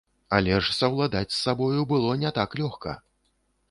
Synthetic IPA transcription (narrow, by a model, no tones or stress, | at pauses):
alʲɛʂsɐwlˠad̪at͡sʲsːabɔjubɨlˠɔnʲɛt̪aklʲɔxkɐ̰